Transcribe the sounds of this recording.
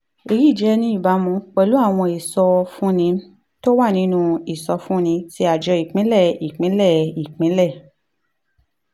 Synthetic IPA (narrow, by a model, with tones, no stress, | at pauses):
e˧ɾi˦˨d͡ʒɛ˨˦nĩ˦i˦˨ba˨˦mũ˧k͡pɛ˧lu˨˦a˦˨w̃ɔ̃˧i˨sɔ˧fũ˦nĩ˧ | to˦wa˦˨nĩ˧˦nũ˧i˨sɔ˧fũ˦nĩ˧ti˧˦a˨d͡ʒɔ˧i˨k͡pĩ˨˦lɛ˦˨i˨k͡pĩ˨˦lɛ˦˨i˨k͡pĩ˨˦lɛ˦˨